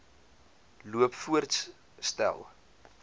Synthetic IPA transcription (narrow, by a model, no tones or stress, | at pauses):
luəpfuərts | stæ̰lˠ